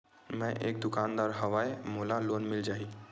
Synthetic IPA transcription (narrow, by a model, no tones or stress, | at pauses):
mɛ̃ʔḛːk̚d̪ʊkaːnd̪aːɾɦəʋaːemoːlaloːnmɪld͡ʒaːi